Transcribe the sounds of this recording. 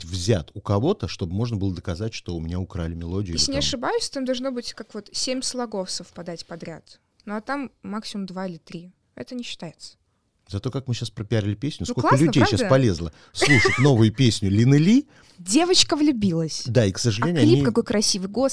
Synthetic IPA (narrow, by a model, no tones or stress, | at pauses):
vzʲat̪ʊkɐvo̞t̪əʂt̪obɨmo̞ʐnəbɨlˠəd̪əkɐzatʲʂt̪oʊmʲɪnʲaʊkɾalʲɪmʲɪlˠo̞dʲɪjːsʲnʲɪɐʂɨbajʊsʲt̪amd̪ɐlˠʐno̞bɨtʲkakvo̞t̪sʲemʲslˠɐɡo̞ftsəfpɐd̪atʲpɐd̪ɾʲat̪ | noɐt̪amːaksʲɪmʊmd̪vaɪlʲɪt̪ɾʲi | ɛ̰t̪ənʲɪɕːɪ̥t̪ajɪt̪sə̥ | zɐt̪o̞kakmɨɕːaspɾəpʲaɾʲɪlʲɪpʲesʲnʲʊskollˠakəlʲʉdʲejʃːapɐlʲezlˠə | slˠuʂɨtʲno̞vɨjʊpʲesʲnʲʊlʲɪnɨlʲi | dʲe̞vət͡ɕkəvlʲʉbʲilˠəsʲd̪aiksəʐɨlʲenʲjʊɐlʲiipkɐko̞jkɾʔɐsʲivɨjɡos